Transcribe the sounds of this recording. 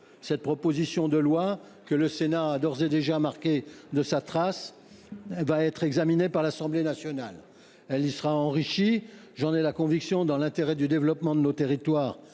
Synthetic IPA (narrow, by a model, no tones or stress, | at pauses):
sɛt̪̚pχɔpozisjɔ̃d̪əlwa | kələsenaːd̪ɔʁzed̪eʒamaʁkʲed̪əsat̪χas | ɛvaɛt̪χɛɡzaminepaʁlasɑ̃blenasjɔna̰l | ɛlisəʁaɑ̃ʁiʃi | ʒɑ̃nɛlakɔ̃viksjɔ̃d̪ɑ̃lɛ̃t̪eʁɛd̪yd̪evlɔpmɑ̃d̪ənot̪eʁit̪waːʁ